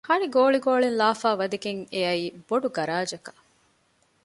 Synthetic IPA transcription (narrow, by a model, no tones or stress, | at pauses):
hɐniɡoːɭiɡoːɭinlaːfaːʋɐd̪ɐɡeŋeɐiːb̥oɖuɡɐɾaːd͡ʒɐkɐ̥